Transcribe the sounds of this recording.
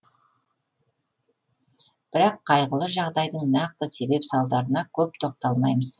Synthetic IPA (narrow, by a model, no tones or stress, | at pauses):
b̥ɪɾɑqʰːɑjʁəlˠəʒɑʁd̪ɑjd̪əɴnɑq̚t̪əse̞be̞psɑlˠd̪ɑɾənɑkʲʰɵp̚t̪ʰo̞q̚t̪ɑlˠmɑjməz̥